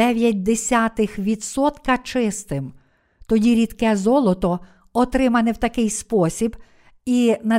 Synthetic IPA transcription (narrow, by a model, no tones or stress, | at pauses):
ɛʋʲjɐt̚ʲd̪esʲat̪ɪxʋʲid̪sɔt̪kɐt͡ʃɪst̪ɪm | t̪ɔdʲiɾʲid̪kɛzɔlˠɔt̪ɔ | ɔt̪ɾɪmɐnɪwt̪ɐkɪjspɔsʲib | inɐ